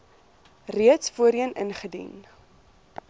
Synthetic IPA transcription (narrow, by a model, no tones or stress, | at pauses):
riətsfuəɾiənə̰nχədḭn